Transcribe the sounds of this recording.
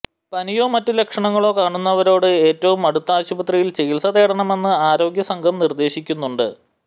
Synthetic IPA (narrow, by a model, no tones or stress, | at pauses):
pɐnijo̞ːmɐtːɨle̞kʂɐɳɐŋːɐɭo̞ːkaːɳunːɐʋɐɾo̞ːɽɨe̞ːtːɐʋumɐɽut̪ːaːɕubɐt̪rijilt͡ɕeɣilsɐðe̞ːɽɐɳɐme̞nːɨaːɾo̞ːɡjɐsɐŋɡʱɐmnird̪e̞ːɕikʲːunːuɳɖɨ